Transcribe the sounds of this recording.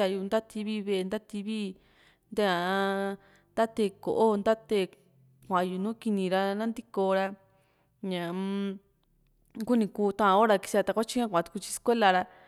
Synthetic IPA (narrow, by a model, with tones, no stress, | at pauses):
a˧ju˧nd̪a˦t̪ʰi˧βi˦βe˧e˧nd̪a˦t̪i˧βi˦ | nd̪e˦ã˧ | nd̪a˦t̪e˧˨ko̰˨ʔo˦˧nd̪a˦t̪e˧˨ | kʷã˨a˨˧ju˨nũː˦ki˧nĩ˧ɾa˧nã˦nd̪i˦ko˧ɾa˧ | ɲã˨ | ku˦nĩ˧kuː˧˦t̪ã˦ʔã˧o˦ɾa˧ki̥˧si˧ɾa˧t̪a˧kʷa˦t͡ʃi˦kã˦kʷã˨t̪u̥˧ku˧t͡ʃi̥˧skʷe˦la˧ɾa˧